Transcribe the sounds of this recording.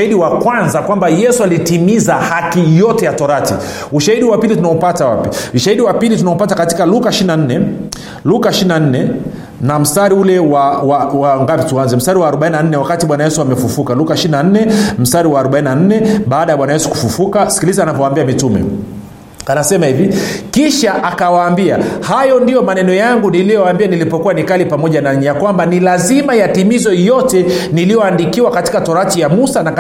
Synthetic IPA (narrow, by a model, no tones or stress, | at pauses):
aiɗiwakwanzakwambajɛsualitimizahakijɔtɛjatɔɾatḭ | uʃahiɗiwapilitunaɔpatawapiuʃahiɗiwapilitunaupatakatikalukaʃiinan̩nɛ | lukaʃininan̩nɛ | nam̩staɾiulɛwawawaŋɡapituanzɛm̩staɾiwaːɾɔɓainan̩nɛwakatiɓwanajɛsuamɛfufukalukaʃiinan̩nɛm̩saɾiwaːɾɔɓaininan̩nɛɓaːɗajaɓwanajɛsu̥ku̥fufukasi̥kilizanavɔwaːmbiamitumɛ̰ | anasɛmahivikiʃaʔakawaːmbiahajɔndijɔmanɛnɔjaŋɡunilijɔwaːmbianilipɔkuwanikalipamɔʄanaɲjakwambanilazimajatimizɔjɔtɛ | nilijɔandikiwakati̥katɔɾatijamusana